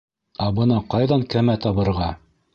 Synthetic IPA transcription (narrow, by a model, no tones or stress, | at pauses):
æbɤ̆nɑqɑjðɑŋkæmæt̪ɑβɤ̆ɾʁɑ